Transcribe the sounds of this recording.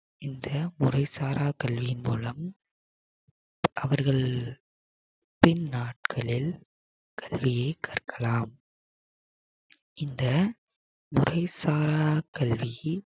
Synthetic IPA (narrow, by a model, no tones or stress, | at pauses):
ɪnd̪ɐmʊrɐɪsaːɾaːkɐlʋɪjɪnmuːlɐm | ʔɐʋɐɾɣɐɭ | pɪnnaːʈ̚kʰɐɭɪl | kʰɐlʋɪjeːkaːrkʰɐlaːm | ɪnd̪ɐ | mʊrʔɐɪsaːɾaːkɐlʋi